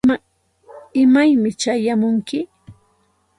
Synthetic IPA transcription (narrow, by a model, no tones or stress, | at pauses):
ɪmajmɪt͡ʃajamʊŋkɪ